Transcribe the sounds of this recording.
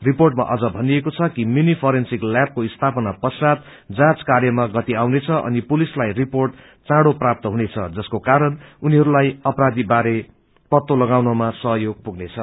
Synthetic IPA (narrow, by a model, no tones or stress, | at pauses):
riporʈma̰ʔʌd͡zʌbʱʌniekot͡sʰʌkiminipʰʌɾensiklap̚koist̪ʰapʌnapʌsad̪ | d͡zãt͡skarjʌmaɡʌt̪iawnet͡sʰʌʔʌ̰nipulislajriporʈ | t͡sãɽoprap̚t̪ʌɦunet͡sʰʌ̰d͡zʌskokaɾʌnuniɦʌɾulajʌpɾad̪ibaɾe | pʌt̪ːolʌɡawnʌmasʌɦʌjoɡ̚puɡnet͡sʰʌ